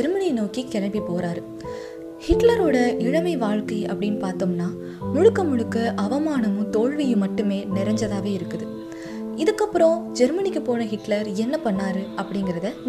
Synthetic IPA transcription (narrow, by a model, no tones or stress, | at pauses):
ɛɾmɐninoːkikɛɻɐmbipoːɾaːɾɯ | hɪʈlɐɾoːɽɐɪɻɐmɐɪʋaːɻkɐɪɐ̰pːɐɽɪnpaːɾt̪ɯmnaː | mʊɻɯkːɐmʊɻɯkːɐʔɐʋɐmaːnɐmɯ̃t̪oːɻʋɪjɯ̃mɐʈːɯmeːnɪɾɐɲd͡ʒɐðaːʋeːɪɾɯkːɯðɯ | ɪðɯkːɐpːɯɾõd͡ʒɛɾmɐnɪkːɯpoːnɐɦɪʈlɐɾɛnːɐpɐɳːaːɾɯɐpːɐɽɪŋɡɪɾɐðɐ